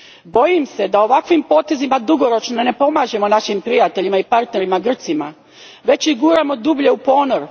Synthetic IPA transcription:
bo̞jimse̞d̪ao̞ʋakʋimpo̞ːt̪e̞zimad̪uɡo̞ɾo̞t͡ʃnone̞po̞maːʒe̞mo̞naʃimpɾijat̪eʎimaipaɾt̪ne̞ɾimaɡr̩t̪sima | ʋe̞t͡ɕiɡuːɾamo̞d̪ubʎe̞upo̞ːnoɾ

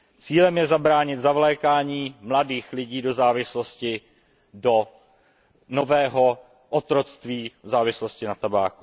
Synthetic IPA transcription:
t͡siːlɛmjɛzabɾaːɲɪt̪zavlɛːkaːɲiːmladiːxlɪɟiːdo̞zaːvɪsloscɪ | do | no̞vɛːɦo̞ | ʔot̪ɾo̞t͡st̪viːzaːvɪsloscɪnat̪abaːku

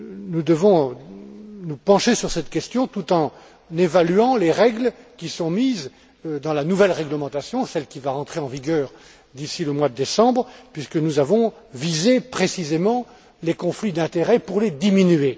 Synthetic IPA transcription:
nud̪əvɔ̃ | nupɑ̃ʃesyʁsɛt̪kʲɛst̪jɔ̃t̪ut̪ɑ̃ | nevalyɑ̃leʁɛɡlkʲisɔ̃miz | d̪ɑ̃lanuvɛlʁɛɡləmɑ̃t̪asjɔ̃sɛlkʲivaʁɑ̃t̪χeɑ̃viɡʲœːʁ | d̪isiləmwad̪əd̪esɑ̃bʁpɥiskənuzavɔ̃ | vizepχesizemɑ̃ | lekɔ̃flid̪ɛ̃t̪eʁɛpuʁled̪iminye

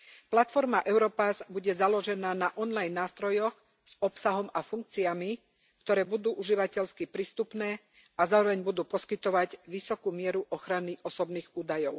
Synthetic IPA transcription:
plat̪fɔɾmaʔɛʊɾɔpazbuɟɛzalɔʒɛnaːnaʔɔnlajnːaːst̪ɾɔjɔɣ | z̥ɔpsaɦɔmafuŋk̚t͡siami | kt̪ɔɾɛːbud̪uːʔuʒiʋacɛʎskipɾiːst̪upnɛː | azaːɾɔʋɛɲbud̪uːpɔskit̪ɔʋaɟʋisɔkuːmɪɛɾuʔɔxɾaniʔɔsɔbniːɣuːd̪ajɔʊ

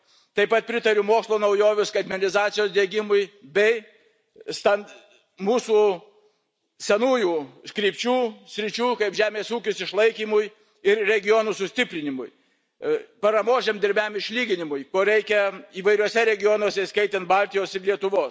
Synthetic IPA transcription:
t̪ɐɪpɐt̪̚pʲɾʲɪt̪ɐɾʲʊmoːkslˠoːnɐʊjoːʋʲʊskɐd̪ʲmʲɛnʲɪzɑːt̪sʲɪjoːsd̪ʲeːɡʲɪmʊjbʲɛɪ | st̪ɐn | muːsuː | sʲɛnuːjuːskɾʲiːpʲt͡ʃʲuːsʲɾʲɪt͡ʃʲuːkɐɪpʒʲæːmʲeːsuːkʲʊsɪʃlˠɐɪkʲiːmʊj | ɪɾɾʲɛɡʲɪjoːnusʊsʲt̪ʲɪpʲɾʲɪnʲɪmʊj | pɐɾɐmoːʒʲɛmd̪ʲɪɾʲbʲæmɪʃʲlʲiːɡʲɪnʲɪmʊjkoːɾʲɛɪkʲɛiːʋɐɪɾʲuɔsʲɛɾʲɛɡʲɪjoːnuɔsʲɛskɐɪt̪ʲɛnt̪bɑlʲt̪ʲɪjoːsɪɾlʲiɛt̪ʊʋoːs

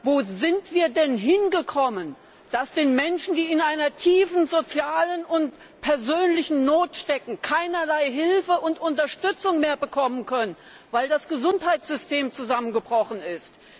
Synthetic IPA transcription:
voːzɪntv̥iːɐdɛnɦɪnɡəkʰɔmən | d̥asd̥eːnmɛnʃn̩diːɪnʔaɪnɐtʰiːfn̩zot͡sjaːlənʊnt | pʰɛɐzøːnlɪçn̩noːtʃtɛkŋ̩kʰaɪnɐlaɪɦɪlfəʔʊntʔʊntɐʃtʏt͡sʊŋmeːɐbəkʰɔmənkʰœnən | vaɪldasɡ̥əzʊnthaɪtsz̥ʏsteːmt͡suzamənɡəbʁɔχn̩ɪst

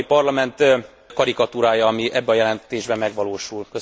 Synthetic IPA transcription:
ipɒrlɒmɛnt̪ | kɒɾikɒt̪uɾaːjɒɒmiʔɛbːɛɒjɛlɛnt̪eːʒbɛmːɛɡʋɒloːʃulkø

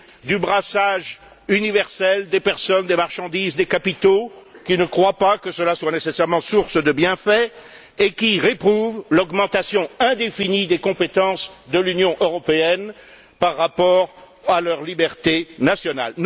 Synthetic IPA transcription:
d̪ybʁasaʒ | ynivɛʁsɛld̪epɛʁsɔnd̪emaʁʃɑ̃d̪izd̪ekapit̪okʲinəkχwapakəsəlaswanesesɛʁmɑ̃suʁsd̪əbjɛ̃fɛ | ekʲiʁepχuvlɔɡmɑ̃t̪asjɔ̃ɛ̃d̪efinid̪ekɔ̃pet̪ɑ̃sd̪əlynjɔ̃ʔøʁɔpeɛn | paʁːapɔʁ | alœʁlibɛʁt̪enasjɔna̰l

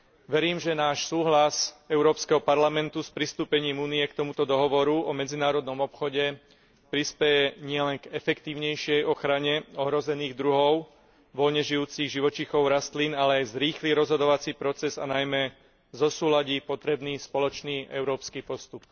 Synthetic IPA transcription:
ʋɛɾiːmʒɛnaːʃsuːɦlasɛʊɾɔːpskɛɦɔpaɾlamɛnt̪uspɾist̪uːpɛɲiːmuːniɛkt̪ɔmut̪ɔd̪ɔɦɔʋɔɾuɔmɛd͡zinaːɾɔd̪nɔmɔpxɔɟɛ | pɾispɛjɛɲɪɛlɛŋɡɛfɛkt̪iːʊɲɛjʃɪɛjɔxɾaɲɛɔɦɾɔzɛniːɣd̪ɾuɦɔʊ | ʋɔlɲɛʒijuːt͡siɣʒiʋɔt͡ʃixɔʊɾast̪linalɛajzɾiːxliɾɔzɦɔd̪ɔʋat͡sipɾɔt͡sɛza̰najmɛ | zɔsuːlaɟiːpɔt̪ɾɛbniːspɔlɔt͡ʃniːʔɛ̰ʊɾɔːpskipɔst̪up

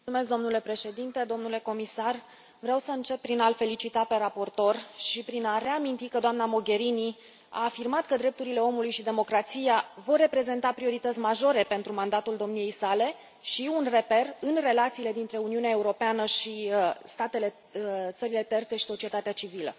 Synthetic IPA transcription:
musume̞s̬k̚d̪omnule̞pɾe̞ʃe̞d̪int̪e̞d̪o̞mnule̞ko̞misar | vɾeawsəɨnt͡ʃe̞p̚ːɾinalfe̞lit͡ʃit̪ape̞ɾapo̞rt̪o̞rʃipɾinare̞amint̪ikəd̪oamnamoɡʲe̞ɾini | a̰ːfirmat̪kəd̪ɾe̞p̚t̪uɾile̞o̞mulujʃid̪e̞mo̞kɾat̪sijavo̞rːe̞pɾe̞ze̞nt̪apɾio̞ɾit̪ət̪sʲmaʒo̞ɾe̞pe̞nt̪ɾumand̪at̪uld̪o̞mnije̞jsale̞ | ʃiunre̞pe̞rɨnre̞lat̪siːle̞d̪int̪ɾe̞uniuneae̞uɾo̞peanəʃist̪at̪e̞le̞ | t̪səɾile̞t̪e̞rt̪se̞ʃi̥so̞t͡ʃie̞t̪at̪eat͡ʃivilə̰

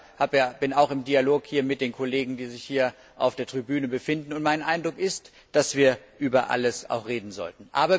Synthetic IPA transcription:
haːbjab̥ɪnaʊxɪmdialoːkhiːɐmɪt̚d̥eːnkʰoleːɡŋ̩diːzɪçhiːɐ | ʔa̰ʊfd̥eːɐtʁ̥ibyːnəbəfɪndn̩ʊntmaɪnʔaɪndʁʊkɪst | d̥asv̥iːɐ | ʔyːbɐʔa̰ləsa̰ʊxʁeːdn̩zɔ̰ltn̩ʔa̰ːbɐ

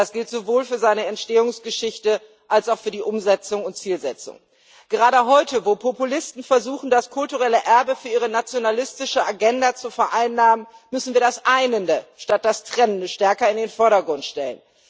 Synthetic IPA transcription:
asɡ̥ɪltz̥ovoːlfyːɐzaɪnəɛntʃteːʊŋsɡ̥əʃɪçtə | ʔalsaʊfyːɐdiːʔʊmzɛt͡sʊŋʊntt͡siːlzɛt͡sʊ̰ŋ | ɡ̥əʁaːdəɦɔʏtəvoːpʰopulɪstn̩fɛɐzuːxn̩daskʰʊltuʁɛləʔɛɐbəfyːɐiːʁ̞ənat͡sjonalɪstɪʃəʔaɡɛndat͡sufɛɐʔaɪnːaːmənmʏsn̩viːɐdasʔaɪnəndəʃtat̚d̥astʁ̥ɛnəndəʃtɛɐkɐɪndeːnfɔɐɾɐɡʁʊntʃtɛlə̰n

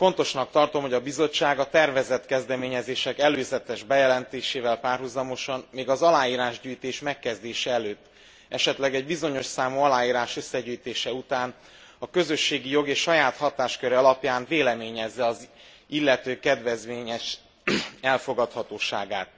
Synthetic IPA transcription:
fo̞nt̪o̞ʃnɒk̚t̪ɒrt̪o̞mɦo̞ɟɒbizo̞t͡ʃːaːɡɒt̪ɛrvɛzɛt̪kɛzd̪ɛmeːɲɛzeːʃɛkɛløːzɛt̪ɛʒbɛjɛlɛnt̪eːʃeːvɛlpaːrɦuzɒmo̞ʃɒnmeːɡɒzɒlaːjiːɾaːʒɟyːjt̪eːʃmɛkːɛzd̪eːʃɛɛløːt̪ː | ʔɛʃɛt̪lɛɡɛɟbizo̞ɲo̞ʃsaːmuɒlaːjiːɾaːʃø̞sːɛɟyːjt̪eːʃɛut̪aːn | ɒkø̞zø̞ʃːeːɡijo̞ɡeːʃʃɒjaːt̪hɒt̪aːʃkøɾɛɒlɒpjaːɱveːlɛmeːɲɛzːɛɒz | ilːɛt̪øːkɛd̪vɛzʋeːɲɛʃ | ɛlfo̞ɡɒt̪hɒt̪oːʃa̰ːɡaːt̪̚

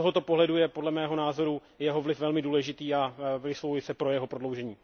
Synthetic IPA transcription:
oɦot̪o̞po̞ɦlɛdujɛpo̞dlɛmɛːɦo̞naːzo̞ɾu | jɛɦo̞vlɪfvɛlmɪduːlɛʒɪt̪iːavɪslovujɪsɛpɾo̞jɛɦopɾodlo̞wʒɛɲiː

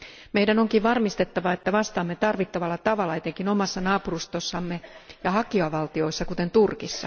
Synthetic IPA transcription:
meidænoŋkiʋʋɑrmist̪et̪ːɑʋɑet̪ːæʋɑst̪ɑːmːet̪ɑrʋit̪ːɑʋɑlːɑt̪ɑʋɑlːɑet̪eŋkinomɑsːɑnɑːpurust̪osːɑmːejɑhɑkiɑʋɑlt̪io̞isːɑkut̪ent̪urkisːɑ

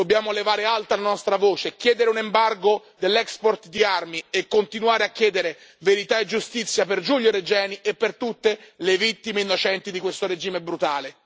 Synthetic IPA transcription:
d̪objaːmolevaːɾealt̪alanɔst̪ɾavoːt͡ʃekːjɛːd̪eɾeunembarɡo | d̪elːɛkspɔrt̪d̪iarmiekːont̪inwaːɾeakːjɛːd̪eɾe | veɾit̪aed͡ʒːust̪it̪sːjaperd͡ʒuʎjoɾed͡ʒɛːniʔepːert̪ut̪ːelevit̪ːimeinːot͡ʃɛnt̪id̪ikwest̪oɾed͡ʒiːmebɾut̪aːle

